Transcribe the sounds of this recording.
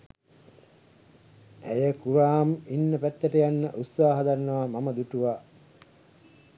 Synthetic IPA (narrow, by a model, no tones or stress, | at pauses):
æjəkuɾaːminːəpæt̪ːəʈəjanːəʔut̪saːɦɐd̪aɾnːɐʋamaməd̪uʈuʋaː